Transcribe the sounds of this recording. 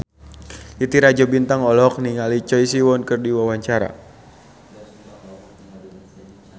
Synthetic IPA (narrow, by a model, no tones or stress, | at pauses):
it̪iɾad͡ʒabint̪aŋɔlɔk̚niŋalit͡ʃɔisiwɔnkɨrdiwawaɲt͡ʃaɾa̰